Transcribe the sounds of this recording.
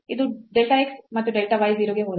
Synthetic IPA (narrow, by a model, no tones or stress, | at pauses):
id̪uɖelʈaeksmɐt̪ːuɖelʈɐʋajziːɾoɡeɦoːd̪